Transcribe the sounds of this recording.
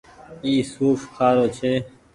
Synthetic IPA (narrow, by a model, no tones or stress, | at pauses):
iːsuːfkʰaːɾoːt͡ʃʰeː